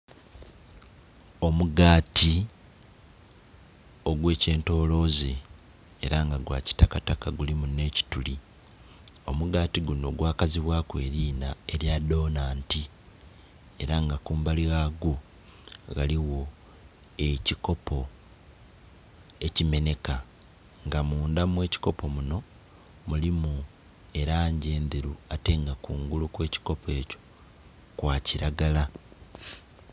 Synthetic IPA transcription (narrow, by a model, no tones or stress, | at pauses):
o̞muɡaːtʰi | o̞ɡwe̞ːce̞ːnto̞ːlo̞ːzeː | ɾaŋɡaɡwa̰ːci̥takatakaɡulimune̞ːci̥tuli | o̞muɡaːtiɡuno̞ɡwaːkaziβwaːkwe̞ːɾiːnaeɾjado̞ːnaːnti | e̞ɾaŋɡakuːmbaliɣaːɡo | ɣaliɣo̞ | e̞ciko̞pʰo̞ | e̞cime̞ne̞ka | ŋɡamuːndamwe̞ːci̥ko̞po̞muno̞ | mulimu | e̞ɾaːɲɟe̞ːndeɾuate̞ːŋɡakuːŋɡulukwe̞ːci̥ko̞pʰe̞ːco̞̥ | kwaːciɾaɡala